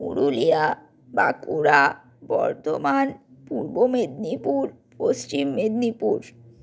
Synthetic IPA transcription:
ṵɾulia | ba̰kuɾa | bɔ̰ɾt̪omanpuɾbomed̪nipuɾ | post͡ɕimːed̪nipuɾ

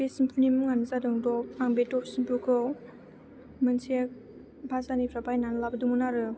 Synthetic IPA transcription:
besimpʰunimɯŋanɯzadɔŋdɔp̚aŋbetɔp̚simpukʰɯw | mɯnsʰek̚ | bʱazanipʰɾabajnanlabɯdumunaɾɯ

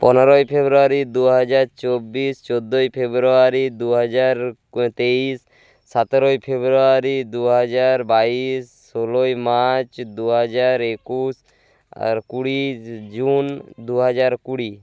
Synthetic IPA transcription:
pɔnɾɔjpʰebɾuaɾid̪uɦad͡ʒaɾt͡ʃɔbist͡ʃɔd̪ojpʰebɾuaɾid̪uɦɔd͡ʒaɾ | t̪eisː | at̪ɾojpʰebɾuaɾid̪uɦad͡ʒaɾbaisːolojmat͡ʃd̪uɦɔd͡ʒaɾekus | a̰ɾkuɽid͡ʒund̪uɦad͡ʒaɾkuɽi

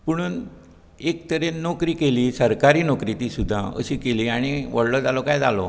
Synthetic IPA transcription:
puɽ̃uːn | ek̚t̪əɾenokɾiːkeliːsəɾkaɾiːnokɾiːt̪iːsud̪ʱːaə̰ɕiːkeliːaɽ̃iʋəɽlɔd͡zalɔkajd͡zalɔ

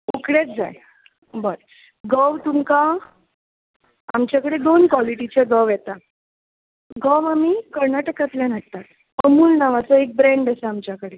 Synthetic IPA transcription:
ukɽet͡sd͡za̰j | bəɾ | ɡəʋt̪umka | amt͡ɕjakəɽed̪onkʋɔliʈit͡ɕeɡəʋjet̪a | ɡəwamikəɾnaʈəkat̪ljanaɽ̚t̪at̪ | əmuːlnaʋat͡səek̚bɾeɳɖəsaamt͡ɕjakəɽe

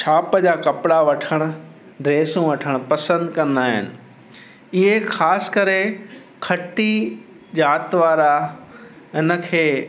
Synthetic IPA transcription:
ʃʰaːpəd͡ʑaːkɐpɪɽaʋɐʈʰəɽ̃ʊ̆ | ɾeːsũʋɐʈʰəɽ̃pɐsə̃nd̪kɐ̃nd̪aːɦɪ̰nɪ̆ | ɪɦekʰaːsɪ̥kɐɾe | kʰɐʈi | ʄaːt̪ʋaːɾa | ɪnə̆kʰeː

